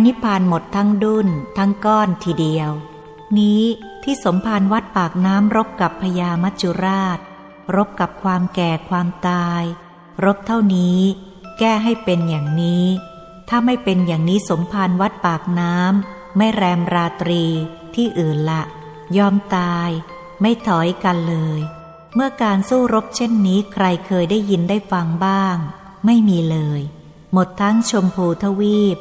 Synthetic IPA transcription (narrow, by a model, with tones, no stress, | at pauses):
a˧ni˦˥pʰaː˨˧nmo˨˩t̪ʰːa˦˥ŋdu˥˩nt̪ʰa˦˥ŋkɔː˥˩nt̪ʰiː˧˩di˧əw | niː˦˥ | t̪ʰiː˥˩so˩˦mpʰaː˧nwa˦˥t̪̚paː˨˩k̚naː˦˥mɾo˦˥p̚ka˨˩pʰːa˧jaː˧ma˦˥t̪̚t͡ɕʰu˧ɾaː˥˩t̪̚ | ɾo˦˥p̚ka˨˩p̚kʰwaː˧mkɛː˨˩kʰwaː˧mt̪aː˧j | ɾo˦˥p̚t̪ʰa˥˩wniː˦˥ | kɛː˥˩ɦa˥˩jpe˧njaː˨˩ŋniː˦˥ | t̪ʰaː˥˩ma˥˩jpe˧njaː˨˩ŋniː˦˥so˩˦mpʰa˧nwa˦˥t̪̚paː˨˩k̚naː˦˥mː | a˥˩jɾɛː˧mɾaː˧t̪ɾiː˧ | t̪ʰiː˥˩ʔɯː˨˩nla˨˩ʔ | jɔː˧mt̪aː˧j | ma˥˩jt̪ʰɔ˩˦jka˧nlɤː˧j | mɯ˥˩ɐkaː˧nsuː˥˩ɾo˦˥p̚t͡ɕʰe˥˩nːiː˦˥kʰɾa˧jkʰɤː˧jdaː˥˩jːi˧ndaː˥˩jfa˧ŋbaː˥˩ŋ | ma˥˩jmiː˧lɤː˧j | mo˨˩t̪ʰːa˦˥ŋt͡ɕʰo˧mpʰuː˧t̪ʰa˧wiː˥˩p̚